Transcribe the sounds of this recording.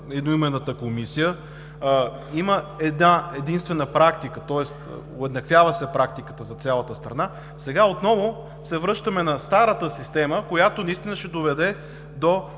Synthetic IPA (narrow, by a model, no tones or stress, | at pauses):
ɛd̪noimɛnət̪əkomisijə | iməɛd̪naɛd̪inst̪vɛnəpɾakt̪ikət̪ɔɛst̪oɛd̪nɐkvjavəsɛpɾak̚t̪ikə̥t̪əzɐt̪sʲjalˠət̪əst̪ɾɐna | sɛɡaot̪nɔvo | sɛvɾɤʃt̪əmɛnɐst̪aɾət̪əsist̪ɛməkojat̪onɐist̪inəʃɛd̪ovɛd̪ɛ | d̪o